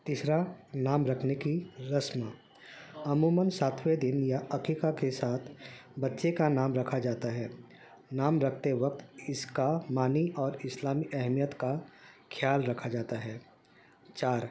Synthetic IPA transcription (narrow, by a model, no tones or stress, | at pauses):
t̪iːsɾanaːmɾɐkʰnekiɾəsmə | ɐmuːmənsaːt̪ʰwed̪ɪnjaɐkiːkakesaːt̪ʰbɐtːʃekanaːmɾɐkʰad͡ʒaːt̪aɦɛː | naːmɾɐkʰt̪eʋɐk̚t̪ɪskamaːniʔɔːɾɪslaːmiʔɛɦmijət̪kakʰjaːlɾɐkʰad͡ʒaːt̪aɦɛː | t͡ʃaːɾ